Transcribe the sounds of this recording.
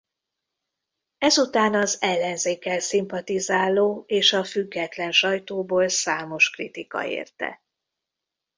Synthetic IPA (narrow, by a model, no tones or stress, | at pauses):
ɛzut̪aːnɒzɛlːɛnzeːkɛlsimpɒt̪izaːlːoːeːʃɒfyɡːɛt̪lɛnʃɒjt̪oːboːlsaːmo̞ʃkrit̪ikɒ̰ḛːrt̪ɛ̰